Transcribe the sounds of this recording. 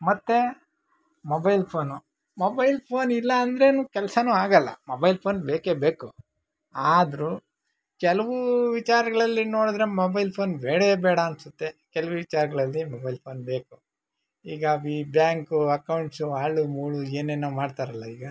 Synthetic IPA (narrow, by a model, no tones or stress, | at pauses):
mɐt̪ːe̞ | mobɐjlpʰoːnu | mobɐjlpʰoːnilːɐːnd̪ɾe̞nuːkɛlɐsɐnuːaːɡɐlːɐ̰mobɐjlpʰoːnbeːkebeːku | aːd̪ɐɾu | kɛlɐʋuʋit͡ʃaːɾɐɡɐɭɐlːino̞ːɽud̪ɾe̞mobɐjlpʰo̞ːnbeːɽebɛːɽɐːnsɐt̪ːe̞kɛlɐʋuʋit͡ʃaːɾɐɡɐɭɐlːimobɐjlpʰo̞ːnbeːku | iːɡabibjaːŋkuɐkɐwɳʈsuaːɭumuːɭueːnenːoːmaːɖt̪aːɾɐlːɐiːɡɐ